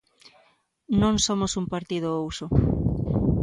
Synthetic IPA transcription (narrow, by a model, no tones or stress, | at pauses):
nõŋsomosumpaɾt̪ið̞ʊowsʊ